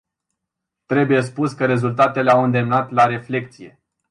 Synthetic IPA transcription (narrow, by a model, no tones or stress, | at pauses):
t̪ɾe̞buje̞s̬puskəɾe̞zult̪at̪e̞leawɨnd̪e̞mnat̪laɾe̞fle̞k̚t̪sije̞